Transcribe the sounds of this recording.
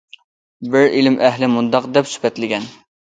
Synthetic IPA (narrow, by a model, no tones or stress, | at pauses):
bɪɾilɪmʔɛɦlɪmund̪ɑqd̪ɛpsy̥pɛt̪lɪɡʲɛn